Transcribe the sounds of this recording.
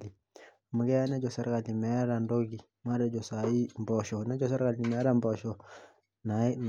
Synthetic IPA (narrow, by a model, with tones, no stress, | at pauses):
i˨ | mu˨˦ɡɛ˦a˦nɛ˦d͡ʒɔ˨sa˦ɾka˨li˨mɛ˨˦ɾa˨ndo˦ɡi˨ | m˦a˦ɾɛ˨d͡ʒɔ˨sa˨i˦mbɔ˨ʃɔ˨nɛ˦d͡ʒɔ˨s̬a˦ɾka˨li˨mɛ˨˦ɾa˦mbɔ˨ʃɔ˨ | na˨i˦n